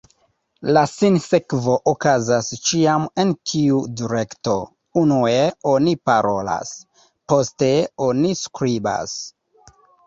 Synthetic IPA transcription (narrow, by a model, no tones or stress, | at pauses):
lasinsekvo̞ʔokazast͡ʃiame̞ntʰiudiɾekto̞ | unueo̞nipaɾo̞la̰s | po̞ste̞o̞niskɾiba̰s